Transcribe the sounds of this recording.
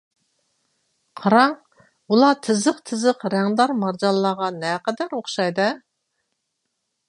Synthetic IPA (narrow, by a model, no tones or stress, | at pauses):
qʰɑɾɑŋ | ulˠɑt̪ʰɪzɨqt̪ʰɪzɨqɾɛŋd̪ɑɾmɑɾd͡ʒɑllˠːɑːʁɑnɛqɛd̪æɾoχʃɑjd̪ɨ